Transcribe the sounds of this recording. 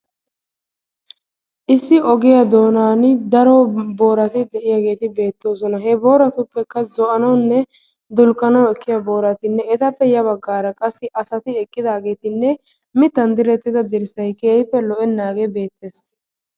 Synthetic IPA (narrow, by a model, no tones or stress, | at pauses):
ʔɪsːɪɔɡɪjad̪o̞ːnaːnd̪ɐɾɔbo̞ːɾɐt̪ɪd̪ɛʔɪjaɡe̞ːt̪ɪbe̞ːt̪ːo̞ːsɔnɐɦɛbo̞ːɾɐt̪ʊpːɛkːɐzɔʔɐnɐwnːɛ | d̪ʊlkʼːɐnɐwɛkːɪjɐbo̞ːɾɐt̪ɪnːɛɛt̪ɐpːɛjɐβɐɡːaːɾɐkʼɐsːɪʔɐsɐt̪ɪɛkʼːɪd̪aːɡe̞ːt̪ɪnːɛ | mɪt̪ːɐnd̪ɪɾɛt̪ːɪd̪ɐd̪ɪɾɪsɐjkeːjpːɛlɔʔɛnːaːɡebe̞ːt̪ːe̞ːs